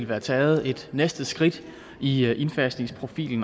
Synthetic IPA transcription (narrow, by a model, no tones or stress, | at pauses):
lʋæːɐt͡sʰɛːð̞̩ˠe̝d̥nesd̥əsɡ̥ʁid̥ | iʔe̝nfæsne̝ŋspʰʁo̝fḭːln̩